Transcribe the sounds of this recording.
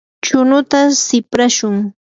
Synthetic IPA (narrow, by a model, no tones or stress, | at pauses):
t͡ʃʊnʊt̪asɪpɾaʃʊŋ